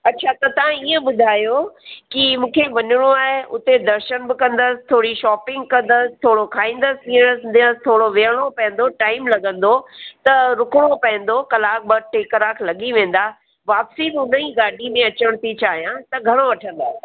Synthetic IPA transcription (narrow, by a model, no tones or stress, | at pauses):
ɐtːɕʰat̪ɐt̪ɐʋãiːə̃ɓʊd̪ʱaːjokimũːkʰeʋɐɲʊɽ̃oaːɦeʔʊ̰t̪ed̪ɐɾʃənbɪkɐ̃nd̪əsɪ̥t̪ʰoːɽiʃɔːpɪ̃ŋɡ̚kɐ̃nd̪əsɪ̥t̪ʰoːɽokʰaːĩːnd̪əsiːəɽ̃əsd̪ə̃st̪ʰoːɽoʋeəɽ̃opɐ̃ə̃nd̪oʈaːɪmlɐɠə̃nd̪ot̪ɐɾʊkɽ̃opɐ̃ɦɪ̃ə̃n̆d̪okɐlaːk̚bɐʈeːkəɾaːkʰlɐɠiʋẽːn̆d̪aː | ʋaːpsibɪʊnəĩɡaːɖʱimẽɐt͡ɕəɽ̃t̪ʰit͡ɕaːɦijãt̪ɐɡʱɐɽ̃oʋɐʈʰə̃nd̪aːɦe